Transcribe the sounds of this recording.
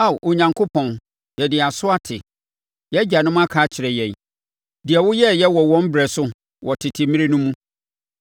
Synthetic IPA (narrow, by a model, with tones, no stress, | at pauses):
a˦˨wʔo˨ɲã˨ŋkʰo˦pʰɔ̃˨n | jɛ˨dɪ˨a˨sʊ˦a˦tʰɪ̰˨ | jɛ˦d͡ʑa˨nʊ̃˦m̃˦a˦kʰaː˨˦t͡ɕʰɪ˨ɾɛ˨jɛ̃˨n˨ | dɪ˨ɛ˨wʊ˦jɛ˦jɛ˦wɔ˨wɔ̃˦m˦bɾɛ˨sʊ˦ | wɔ˨tʰɪ˨tʰɪ˨mĩ˦e˦nũ˦mũ˦